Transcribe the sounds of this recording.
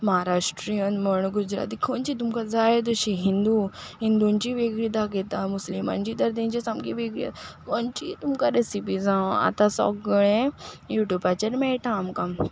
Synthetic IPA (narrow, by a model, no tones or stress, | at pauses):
məɦaɾaʂʈɾiənməɳ̃ɡud͡ʑɾa̰t̪̬ikʰont͡ɕit̪umkad͡zajd̪əɕiɦind̪uɦind̪uɲt͡ɕiʋeɡɭiːd̪aket̪amuslimã̰ɲd͡ʑiːt̪əɾt̪ĩɲt͡ɕasamkiʋeɡɭḭkont͡ɕit̪umkaɾesipid͡zãwa̰t̪ãsɔ̰kɡəɭẽjuʈjubat͡ɕaɾmɛʈamkam